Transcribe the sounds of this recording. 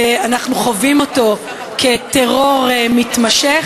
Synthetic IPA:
anaχnuχovimo̞to̞ | kʰeteʁo̞ʁmitmaʃeχ

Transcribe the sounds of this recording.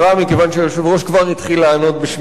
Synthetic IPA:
amikevanʃeʃuvʁoʃkvaʁit̪χilaːno̞t̪̚beʃ

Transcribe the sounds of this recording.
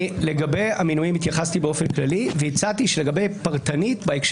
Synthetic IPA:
leɡabe̞jaminuimit̪jaχast̪ibeofenklaliveit͡sat̪iʃele̞ɡabe̞jpaʁt̪anit̪baekʃ

